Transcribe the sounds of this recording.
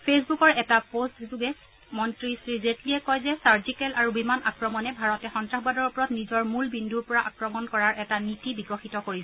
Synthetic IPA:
pʰesbukɔɹɛtapostzuɡɛ | mɔntɹisɹizetlijɛkɔjzɛsaɹd͡ʒikɛlaɹubimanʔakɹɔmɔnɛbʱaɹɔtɛxɔntɹaxbadɔɹupɔɹɔtnizɔɹmulbinduɹpɔɹaʔakɹɔmɔnkɔɹaɹʔɛtanitibiɡɔxitɔkoɹisɔ

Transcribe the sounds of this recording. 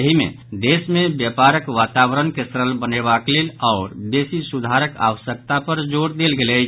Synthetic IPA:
jəɦimḛ | d̪esmebjapaɾəkʋat̪awɾənkesɾəlbənebaklelɔːɾbesisud̪ʱaɾəka̰ʋəsək̚t̪apəɾd͡ʒoɽd̪elɡelɛ

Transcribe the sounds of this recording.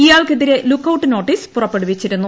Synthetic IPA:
iːjaːɭkeðiɾe̞lukːɐwuʈːɨno̞ːʈːispurɐpːeɽuʋit͡ɕːiɾunːu

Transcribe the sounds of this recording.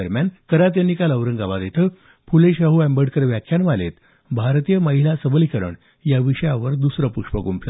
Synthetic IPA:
əɾmjankəɾat̪janːikaləʋɾəŋɡaʋad̪et̪ʰə | puleɕaɦuɛmbəɖkəɾʋjakʰjanʋalḛt̪ | bʱaɾt̪ijəməɦilasəbəlikəɾə̰ɳ | jaʋiɕəjaʋəɾd̪usɾəpuʂpəɡumpʰlə

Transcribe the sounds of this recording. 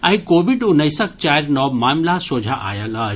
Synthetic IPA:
ɐɦĩkoːʋiɖʊnɐjsɐkt͡ʃaːjɾnɔmaːmlasoːd͡ʒʱaʔa̰ːjɐlɐ

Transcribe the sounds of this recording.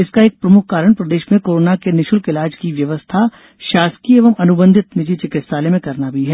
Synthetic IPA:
ɪskaeːk̚pɾɐmʊkʰkaːɾəɽ̃pɾɐd̪eːʃmẽkoːɾoːnakenɪʃʊlkɪlaːd͡ʒkiʋjɐʋəst̪ʰa | ʃaːskieːʋəmɐnʊbə̃nd̪ʱɪt̪nɪd͡ʒʱit͡ʃɪkɪt̪saːlemẽkɐɾnabʱiɦɛː

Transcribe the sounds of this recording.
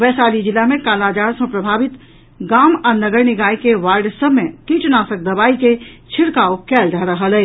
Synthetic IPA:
ʋɛːsaːlid͡ʒɪlamẽkaːlaːd͡ʒaːɾsõpɾəbʱaːʋɪt̪ | ɡaːmanɐɡəɾnɪɡaːikeʋaːɾɖsəmːẽkit͡ʃnaːsək̚d̪ɐbaːiket͡ʃʰɪɽkaːokɛːld͡ʒaːɾəɦəlɛː

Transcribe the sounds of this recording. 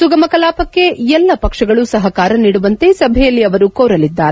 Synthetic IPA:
suɡɐmɐkɐlaːpɐkːeɛlːɐpɐkʂɐɡɐɭusɐɦɐkaːɾɐniːɽuʋɐnt̪e̞sɐbʱɛjɐlːiɐʋɐɾukoːɾɐlid̪ːaːɾe

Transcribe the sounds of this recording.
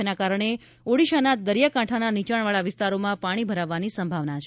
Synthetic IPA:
nakaɾəɳe | oɽiʃanad̪əɾjakãʈʰananit͡ʃaɳʋaɭaʋɪst̪aɾomãpaɽ̃ibʱəɾaʋːanisəmbʱaʋnat͡ʃʰ

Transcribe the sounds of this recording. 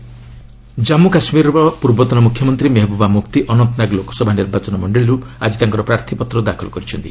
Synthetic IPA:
d͡ʒamukasmiɾɔɾɔpuɾbɔt̪ɔnɔmukʰjɔmɔnt̪ɾimeɦɔbubamukt̪iʔɔnɔnt̪ɔnaɡlokɔ̥sɔbʱaniɾbat͡ʃɔnɔmɔɳɖeɭiɾuad͡ʒit̪aŋkɔɾɔpɾaɾt̪ʰipɔt̪ɾɔd̪akʰɔlɔkɔɾit͡ʃʰɔnt̪i

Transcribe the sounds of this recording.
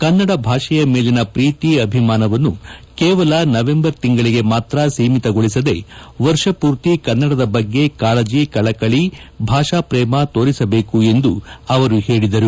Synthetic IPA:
kɐnːɐɽɐbʱaːʂɐjɐmeːlinɐpɾiːt̪iɐbʱimaːnɐʋɐnːukɛːʋɐlɐnɐʋe̞mbɐɾt̪iŋɡɐɭiɡe̞maːt̪ɾɐsiːmit̪ɐɡoɭisɐd̪e̞ʋɐɾʂɐpuːɾt̪ikɐnːɐɽɐd̪ɐbɐɡːe̞kaːlɐd͡ʒikɐɭɐkɐɭibʱaːʂaːpɾɛːmɐt̪o̞ːɾisɐbe̞ːkue̞nd̪uɐʋɐɾuheːɭid̪ɐɾu

